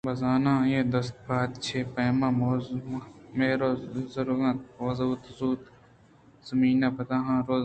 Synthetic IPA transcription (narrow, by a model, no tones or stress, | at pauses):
bɐzaːnãːjẽːd̪ɐst̪̚baːt̪t͡ʃʰeːpɐːmãːmoːmmeːɾoːzɐɾɡãt̪ʋɐzuːt̪zuːt̪ | z̥ɐmiːnaːpɐt̪ãːɦãːɾoː